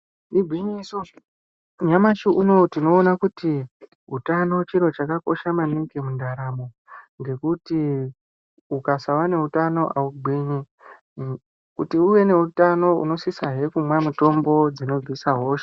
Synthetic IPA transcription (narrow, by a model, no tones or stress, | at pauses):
niɡʱiɲisu | ɲamaʃiʔuno̞tino̞ːnakuti | ɦutano̞t͡ʃiɾo̞t͡ʃakako̞ʃamaniɡemundaɾamo̞ | ŋɡe̞kuti | ukasawane̞ɦutano̞ʔauɡ͡bʱiɲi | kutiuʋe̞ne̞utano̞ṵno̞sisaɦe̞kumwamuto̞mbo̞d͡zino̞d͡zisaɦo̞ːʃe̥